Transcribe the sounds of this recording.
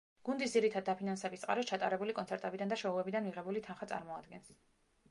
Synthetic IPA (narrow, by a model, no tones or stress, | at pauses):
ɡ̥und̪isd̪ziɾit̪ʰad̪d̪ːapʰinansɛbissʼqʼa̰ɾɔst͡ʃʰat̪ʼaɾɛbulikʼɔnsʰɛɾt̪ʼɛbid̪and̪aʃɔuɛbid̪anmiʁɛbulit̪ʰanχat̪sʼa̰ɾmɔad̪ɡɛns